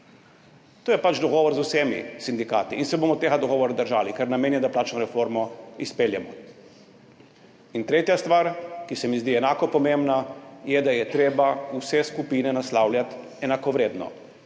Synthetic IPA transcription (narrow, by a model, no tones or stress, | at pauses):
t̪oːjɛpat͡ʃd̪ɔɡɔːʋɔɾzusemḭsind̪ika̰ːt̪iinsɛbomɔt̪eːɣad̪ɔɡɔːʋɔɾad̪əɾʒaːlikaɾnameːnjɛd̪aplaːt͡ʃnɔɾɛfoɾmɔispeːljɛmɔ | int̪ɾeːt̪jast̪ʋaːɾkisɛmizd̪iɛnaːkɔpɔmembnajɛd̪ajɛt̪ɾeːbausɛskupiːnɛnaslaːwljat̪ | ɛnakɔʋɾeːd̪nɔ̰